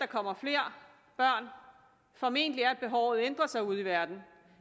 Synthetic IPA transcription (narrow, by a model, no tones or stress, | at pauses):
d̥ɑ̈kʰɒ̽m̰ɐfle̝ːɐ̰ | b̥ɶɐ̰n | fɒ̽me̝̰n̰d̥əliæɐæd̥̚b̥e̝ɦɒʊð̞̩ˠend̥ʁɐsɑ̈ɪuð̰ˠiʋæɐd̥n̩